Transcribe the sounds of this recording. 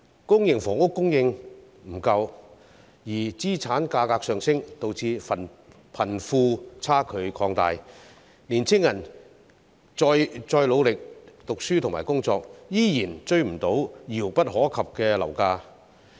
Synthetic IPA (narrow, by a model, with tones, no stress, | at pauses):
kʊ˥ŋjɪ˨˧ŋfɔː˨˩ŋʊ˥kːʊ˥ŋjɪ˧ŋ | m̩˨˩kɐ˧w | jiː˨˩t͡siː˥t͡sʰaː˨˥nkaː˧kaː˧k̚sœː˨˧ŋsɪ˥ŋt̪o˧wt͡sʰiː˧ɐ˨˩n | pʰɐ˨˩nfuː˧t͡sʰaː˥kʰɵ˨˧ɥkʰɔː˧ŋt̪a̰ː˨j | liː˨˩nt͡sʰɪ˥ŋjɐ˨˩n | t͡sɔː˧jt͡sɔː˧jlo˨˧wlɪ˨˩k̚t̪ʊ˨k̚syː˥t̪ʰʊ˨˩ŋmaː˨˩jkʊ˥ŋt͡sɔː˧k̚jiː˥jiː˨˩nt͡ʃɵ˧ɥm̩˨˩t̪o˨˥wjiː˨˩wpɐ˥t̚ɦɔː˨˥kʰɐ˨p̚kɛː˧lɐ̰˨˩wkaː˧